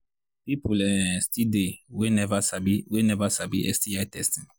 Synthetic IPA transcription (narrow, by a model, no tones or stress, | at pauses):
pipulɛstidewenɛvasabiwenɛvasabiʔɛ̰stiajtɛst